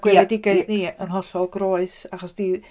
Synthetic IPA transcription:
ɡ̥wɪɛdɪɡaɨθniənɦɔɬɔlˠɡroːɨsaχɔsd̥i

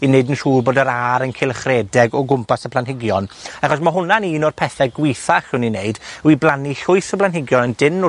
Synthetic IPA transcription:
ineɨdənr̥uːrboːdəɾaːɾənkʰɪlˠχrɛːdɛɡɔɡʊmpʰasəpʰlˠanɦɪɡjɔnaχɔsmaɦʊnaniːnɔrpʰɛθɛɡwɪjθaχɪwnineɨdwiblˠaniɬʊɨθəplˠanɦɪɡjɔnəndɪnɔ

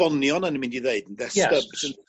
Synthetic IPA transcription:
ɔnjɔnanimɪ̃ndiðeɨdn̩ðɛsəbsən

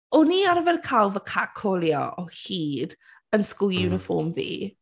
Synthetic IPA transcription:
ʊniaɾəvɛrkʰalˠvəkʰakʰɔlˠjɔ̰ʔɔhiːd | ənskʊjunəfɔːmvḭː

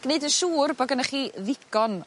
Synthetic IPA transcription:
ɡ̥neɨdəʃuːrbɔɡənaχiːðɪɡ̥ɔn

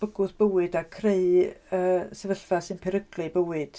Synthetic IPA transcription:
b̥əɡʊðb̥əwɨdakʰreɨəːsɛvəɬfasɨnpʰɛɾəɡlɨbəwɨd̥

